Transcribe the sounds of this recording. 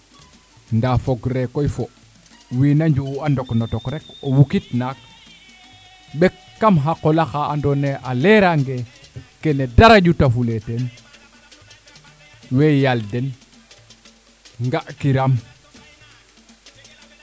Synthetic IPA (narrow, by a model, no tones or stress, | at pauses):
ndafoɡɾekːojfo | winaɲd͡ʒuwandoknotokɾekowukitnak̚ | bekːamɦakolaxaːndoneʔaleɾaŋɡekenedaɾaɟutafuleten | wejalden | ŋɡaʔkiɾam